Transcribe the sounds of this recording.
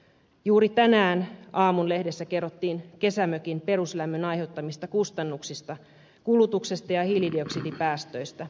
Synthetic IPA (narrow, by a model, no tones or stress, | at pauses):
juːɾit̪ænæːnɑːmunle̞hde̞sːæke̞rːot̪ːiːnke̞sæmøkinpe̞ɾuslæmːønɑjhe̞wt̪ːɑmist̪ɑkust̪ɑnːuksist̪ɑ | kulut̪ukse̞st̪ɑjɑhilidioksidipæːst̪øjst̪æ